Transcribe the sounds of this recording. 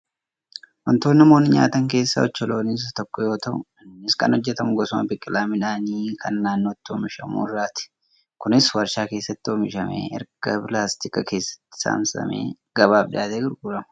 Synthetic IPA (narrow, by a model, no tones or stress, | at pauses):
wɐnt̪o̞ːnːɐmoːnːɪɲa̰ːt̪ɐŋke̞ːsːɐ̰ɔt͡ʃːɔlo̞ːnis̬t̪ɔkːɔjo̞ːt̪ɐʔʊ | ɪskɐ̰nhɔd͡ʒːɛt̪ɐmʊɡɔsʊmɐ̰bɪkʼːɪlaːmɪᶑaːniːkʰɐnːaːnːo̞ːt̪ːɪoːmɪʃɐmṵːɪrːaːt̪ɪ̥ | kʊnɪswɐɾʃaːke̞ːsːɐt̪ːɪomɪʃɐmḛːɛ̰ɾɡ̥ɐpɪlaːst̪ɪkʼɐke̞ːsːɐ̥t̪ːɪ̥sa̰ːmsɐ̰mḛː | ɡ̥ɐbaːfᶑɪjaːt̪eːɡɪɾɡuːɾɐmɐ̥